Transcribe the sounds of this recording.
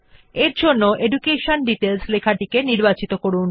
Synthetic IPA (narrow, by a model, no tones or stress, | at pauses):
eɾd͡ʑʱonːoʔeɖukeʃonɖiʈelslekʰaʈikeniɾbat͡ɕit̪okoɾun